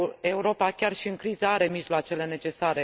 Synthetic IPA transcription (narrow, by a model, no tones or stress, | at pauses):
e̞uɾo̞pakʲarʃiɨŋkɾizəaɾe̞miʒlowat͡ʃe̞le̞ne̞t͡ʃe̞saɾe̞